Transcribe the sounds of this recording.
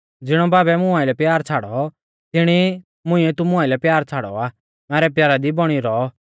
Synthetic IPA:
d͡zɪɽ̃ɔbaːbɛmʊãilɛpjaːɾt͡sʰaːɽɔ | t̪ɪɽ̃i | mʊ̃ĩɛt̪umʊ̃ãːɪlɛpjaːɾt͡sʰaːɽɔ̰aː | mɛːɾɛpjaːɾad̪ibɔɽ̃iɾɔ

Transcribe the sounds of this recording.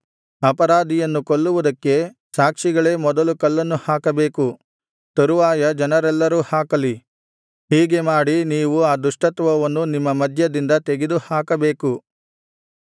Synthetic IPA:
ɐpɐɾaːd̪ʱijɐnːukoɭːuʋud̪ɐkːe̞ | saːkʂiɡɐɭe̞ːmɔd̪ɐlukɐlːɐnːuhaːkɐbe̞ːku | t̪ɐɾuʋaːjɐd͡ʒɐnɐɾɛlːɐɾuːhaːkɐli | hiːɡe̞maːɽiniːʋuaːd̪uʂʈɐt̪ʋɐʋɐnːunimːɐmɐd̪ʱjɐd̪ind̪ɐt̪eɡed̪uhaːkɐbe̞ːku

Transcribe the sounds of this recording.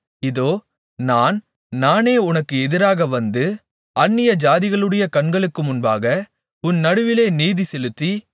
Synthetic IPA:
ɪðoː | naːn | naːneːʊnɐkːɯɛðɪɾaːɣɐʋɐnd̪ɯ | ɐnːɪjɐd͡ʒaːðɪɣɐɭɯɽɐjɐkɐnɡɐɭɯkːɯmʊnbaːɣɐ | ʊnːɐɽɯʋɪleːniːðisɛlɯt̪ːi

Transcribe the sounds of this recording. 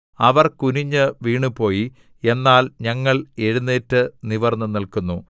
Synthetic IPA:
ɐʋɐrkuniɲːɨʋiːɳupo̞ːji | e̞nːaːlɲɐŋːɐɭe̞ɻunːeːtːɨniʋɐrnːɨnilkunːu

